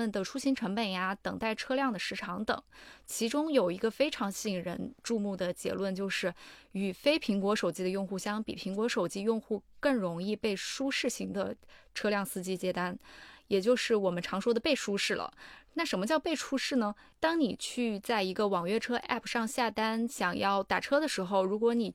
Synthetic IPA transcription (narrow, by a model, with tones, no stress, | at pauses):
ə˩nd̪ə˩ʈ͡ʂʰu˥ɕi˧˥ŋʈ͡ʂʰɤ˧˥ŋpə˨˩nja˧˦t̪ɤ̰˨˩ŋt̪a˥˩ɪʈ͡ʂʰɤ˥ljɑ˥˩ŋd̪ə˩ʂɻ̩˧˥ʈ͡ʂʰɑ˧˥ŋt̪ɤ̰˨˩˦t͡ɕʰi˧˥ʈ͡ʂʊ˥ŋjo˨˩ʊi˧˥ɡə˧fe˥ɪʈ͡ʂʰɑ˧˥ŋɕi˥˩ŋɻə̰˧˥nʈ͡ʂu˥˧mu˥˩d̪ə˩t͡ɕjɛ̰˧˥lwə˥˩nt͡ɕjo˥˧ʊʂɻ̩˥˩y˨˩fe˥ɪpʰi˧˥ŋkwɔ˧˥ʂo˨˩ʊt͡ɕi˥d̪ə˧jʊ˥˧ŋxu˥˩ɕjɑ˥ŋpḭ˨˩pʰi˧˥ŋkwɔ˧˥ʂo˨˩ʊt͡ɕi˥jʊ˥˧ŋxu˥˧kɤ˥˩ŋɻʊ˧˥ŋi˥˧pe˥˩ɪʂu˥ʂɻ̩˥˩ɕi˧˥ŋd̪ə̰˧ʈ͡ʂʰɤ˥ljɑ˥˩ŋsɹ̩˥t͡ɕi˥t͡ɕjɛ˥t̪a˥njɛ˨˩t͡ɕjo˥˧ʊʂɻ̩˥˩wɔ˨˩mə˦nʈ͡ʂʰɑ˧˥ŋʂwɔ˥d̪ə˧pe˥˩ɪʂu˥ʂɻ̩˥˩lə̰˩na˥˩ʂə˧˥nmə˧t͡ɕjɑ˥˧ʊpe˥˩ɪʈ͡ʂʰu˥ʂɻ̩˥˩nə˩ | t̪ɑ˥ŋni˨˩t͡ɕʰy˥˧t͡sa˥˩ɪi˧˥ɡə˧wɑ˨˩ŋɥɛ˥˩ʈ͡ʂʰɤ˥ʔɛ̰˥˩pʰʂɑ˥˧ŋɕja˥˩t̪a˥nɕjɑ˨˩ŋjɑ˥˩ʊt̪a˨˩ʈ͡ʂʰɤ˥d̪ə˨ʂɻ̩˧˥xo˧ʊɻu˧˥kwɔ˧˥ni˨˩